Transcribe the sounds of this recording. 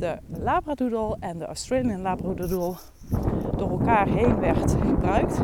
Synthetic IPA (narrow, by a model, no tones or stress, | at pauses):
dəlaːbradudəlˠɛndəʔa̰stɹeliənlaːbradudəlˠ | d̥oːɹɛlˠkaːɹɦejnʋɛɹtχəbrœɥkt